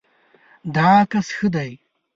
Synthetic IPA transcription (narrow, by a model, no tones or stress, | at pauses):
d̪aːkɐsxəd̪aj